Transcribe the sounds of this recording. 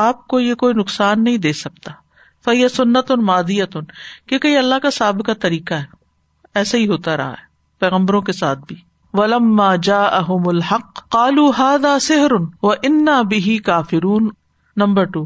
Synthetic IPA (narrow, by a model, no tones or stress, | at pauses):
aːp̚kojekoːinʊqsaːnːɐɦĩd̪eːsɐkt̪aː | fɐɦɪjasʊnːət̪ʊnmaːd̪ijat̪ʊnkekɐiɐlːaɦkasaːbɪkat̪ɐɾiːkaɦɛː | ɛːsaɦiɦoːt̪aɾɐ̰ɦa̰ɦɛː | pɛːɣə̃mbəɾõkesaːt̪̚ʰbʱiː | ʋɐlɐmːaːd͡ʒaːʔɐɦʊmʊlħɐqːaːluːɦaːðaːsɪɦɾʊnʋɐʔɪnːaːbɪɦikaːfɪɾuːnː | ɐ̃mbəɾʈuː